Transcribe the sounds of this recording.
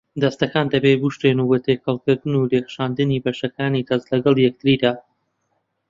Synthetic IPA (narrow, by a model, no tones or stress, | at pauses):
d̪ɐst̪ɐkaːnd̪ɐbeɡuʃt̪enubot̪ʰekʰɐlˠkɨɾd̪ɨnuɾexʃaːnd̪ɨniːbɐʃɐkaːnit̪ʰɐzlɐɡɐlˠjɛk̚t̪ɨɾiːd̪aː